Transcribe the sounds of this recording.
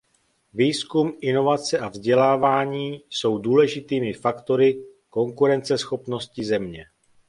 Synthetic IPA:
viːskumʔɪno̞vat͡sɛʔavzɟɛlaːvaːɲiːso̞wduːlɛʒɪt̪iːmɪfakt̪o̞ɾɪ | ko̞ŋkuɾɛnt͡sɛsxo̞pno̞scɪzɛmɲɛ

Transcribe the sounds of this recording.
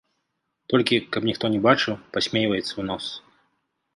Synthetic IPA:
t̪ɔlʲkʲikɐpnʲixt̪ɔnʲɛbat͡ʂɨwpɐsʲmʲejvɐjɛt̪sɐwnas

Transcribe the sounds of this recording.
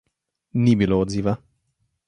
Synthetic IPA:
nibiloːziva

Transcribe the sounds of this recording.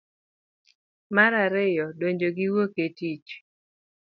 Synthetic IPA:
maɾaɾɪjɔdoɲd͡ʒoɡiwoketit͡ʃ

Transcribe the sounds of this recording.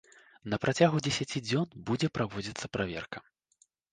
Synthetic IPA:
nɐpɾʔat͡sʲaɣud͡zʲɛsʲat͡sʲid͡zʲɔnbud͡zʲɛpɾavɔd͡zʲit̪sːɐpɾavʲɛ̰rkɐ

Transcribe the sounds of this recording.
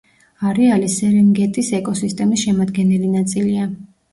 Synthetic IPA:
aɾɛalisɛɾɛŋɡɛt̪ʼisɛkʼɔsist̪ʼɛmisʃɛmad̪ɡɛnɛlinat̪sʼilia

